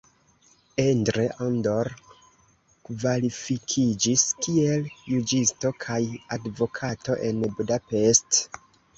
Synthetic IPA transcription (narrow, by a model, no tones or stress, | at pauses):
endɾeʔondoɾ | kvalifikʰid͡ʒiskie̞ljud͡ʒisto̞kʰajadvo̞kʰato̞ʔe̞nbudape̞st